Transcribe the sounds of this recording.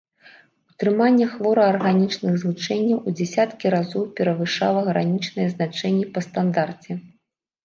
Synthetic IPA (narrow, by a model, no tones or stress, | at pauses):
ut̪ɾɨmanʲːɛxvɔɾɐɐrɣanʲit͡ʂnɨɣzlˠut͡ʂɛnʲːɐwud͡zʲɛsʲat̪kʲiɾazɔwpʲɛɾɐvɨʂa̰lˠɐɣɾanʲit͡ʂnɨjɛznat͡ʂɛnʲːipɐst̪and̪art͡sʲɛ